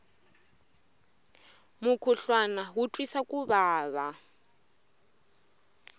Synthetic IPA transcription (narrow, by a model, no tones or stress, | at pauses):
mukʰuɬwanaɦutʼwisakʼuβaːβa